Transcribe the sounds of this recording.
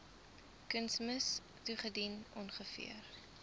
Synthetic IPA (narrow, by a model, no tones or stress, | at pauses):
kənsməs | tuχədinɔnχəfḭər